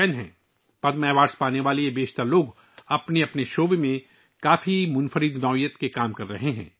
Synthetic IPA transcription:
ɛːnɦɛ̰̃ː | pɐd̪mɛːʋaːɾspaːneʋaːliebeːʃt̪əɾloːɡ | ɐpneɐpneʃoːbemẽ | kaːfimʊnfəɾɪd̪nɔːjət̪kekaːmkɐɾːɐɦeɦɛ̰̃ː

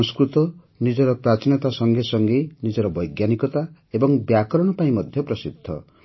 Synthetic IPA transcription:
ɔŋskɾut̪ɔ | nid͡ʒɔɾɔpɾat͡ʃinɔt̪asɔŋɡesɔŋɡenid͡ʒɔɾɔbɔjɡjanikɔt̪aebɔŋbjakɔɾɔɽ̃ɔpaĩmɔd̪ʱjɔpɾɔsid̪ʱːɔ̰

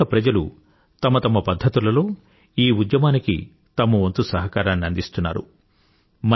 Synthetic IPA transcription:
ɐpɾɐd͡ʒɐlu | t̪ɐmɐt̪ɐmɐpɐd̪ʱːɐt̪ulɐlo̞ː | iːud̪jɐmaːnikḭ | t̪ɐmuʋɐnt̪usɐɦɐkaːɾaːnːiɐnd̪ist̪unːa̰ːɾṵ | mɐ

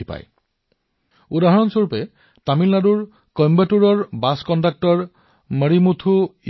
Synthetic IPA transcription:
ipa̰j | ud̪aɦɔɹɔnsoɹupe | tamilnaduɹ | kɔmbatuɹɔɹbaskɔndak̚tɔɹ | məɹimut̪ʰu

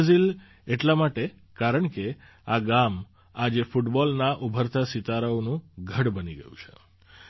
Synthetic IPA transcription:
zil | eʈlamaʈe | kaɾəɳke | aɡam | ad͡ʒefuʈbɔlnaʔubʱəɾt̪asit̪aɾəonũɡʱəɽbəniɡə̰jũt͡ʃʰḛ

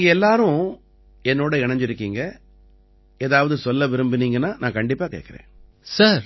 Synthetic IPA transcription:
ɡɐɛlːaːɾʊ̃ | ɛnːoːɽɐɪɳɐɲd͡ʒɪɾɯkːiːŋɡɐ | eːðaːʋɐðɯsɔlːɐʋɪɾɯmbɯniːŋɡɐnːaːnãːkɐɳɖɪpːaːkḛːkːɪɾḛ̃ː | saɾ

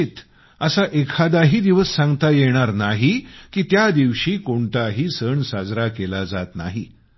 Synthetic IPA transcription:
t̪ | əsaʔekʰad̪aɦiːd̪iʋəsːãŋɡt̪ajeɽ̃aɾnaɦikiːt̪jad̪iʋɕiːkoɳʈ̪aɦiːsəɳsad͡zɾakelad͡zat̪na̰ɦi

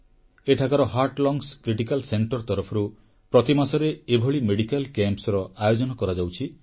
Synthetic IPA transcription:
eʈʰakaɾɔɦaɾʈlɔŋskɾiʈikalseɳʈɔɾt̪ɔɾɔpʰɔɾu | pɾɔt̪imasɔɾeebʱɔɭimeɽikalkempsɾɔajod͡ʒɔnɔkɔɾad͡ʒawt͡ʃʰi

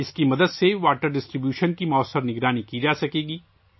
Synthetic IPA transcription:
ɪskimɐd̪əd̪seʋaːʈəɾɖɪsʈɾibjuːʃənkimɔːəsːəɾnɪɡɾaːnikid͡ʒaːsɐkeːɡiː

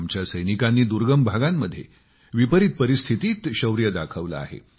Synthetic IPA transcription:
mt͡ɕjasəjnikanːiːd̪uɾɡəmbʱaɡamːəd̪ʱːje | ʋipəɾit̪̚pəɾist̪ʰit̪iːt̪ɕəʋɾjəd̪akʰəʋla̰a̰ɦḛ

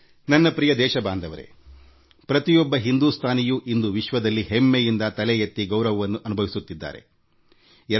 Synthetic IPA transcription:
nɐnːɐpɾijɐd̪ɛːʃɐbaːnd̪ʱɐʋɐɾe̞̰ | pɾɐt̪ijɔbːɐɦind̪ust̪ʰaːnijuʔind̪uʋiʃʋɐd̪ɐlːiɦemːejind̪ɐt̪ɐlɛjɐt̪ːiɡɐwɾɐʋɐʋɐnːuʔɐnubʱɐʋisut̪ːid̪ːa̰ːɾe̞̰ | ɛ

